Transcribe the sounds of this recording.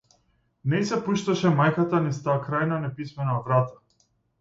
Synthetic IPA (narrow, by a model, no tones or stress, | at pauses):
nɛjsɛpuʃt̪aʃɛmajkat̪anist̪aːkɾajnanɛpismɛnavɾat̪ḁ